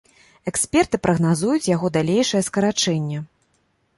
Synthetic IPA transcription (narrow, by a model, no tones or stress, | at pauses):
ɛksʲpʲɛrt̪ɨpɾʔɐɣn̪azujut͡sʲjaɣɔd̪alʲejʂɐjɛskɐɾat͡ʂɛnʲːɛ